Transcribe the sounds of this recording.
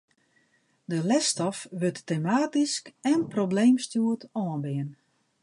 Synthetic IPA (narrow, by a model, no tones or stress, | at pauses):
dəlɛstɔfʋøtːemaːtiskɛnprobleːmstjuətɔənbɪən